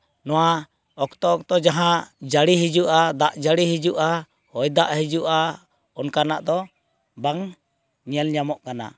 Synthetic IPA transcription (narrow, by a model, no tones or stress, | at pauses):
nɔwa | ɔkt̪ɔɔk̚t̪ɔd͡ʒaɦãd͡ʒaɽiɦid͡ʒuʔad̪aʔd͡ʒaɽiɦid͡ʒuʔa | hɔjd̪aʔhid͡ʒuʔa | ɔnkanaʔd̪ɔ | baŋ | ɲɛlɲamɔʔkana̰